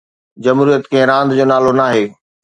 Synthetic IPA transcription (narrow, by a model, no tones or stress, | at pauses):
d͡ʑɐmuɾuijət̪kɐ̃ɦɪ̃ɾãːnd̪d͡ʑoːnaːlonaːɦeː